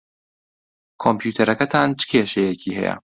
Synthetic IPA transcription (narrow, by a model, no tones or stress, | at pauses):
kʰompʰjuːt̪ʰɐɾɐkɐt̪ʰaːnt͡ʃʰɨ̥kʲʰeːʃɐjecʰiːhɛ̰jɐ̰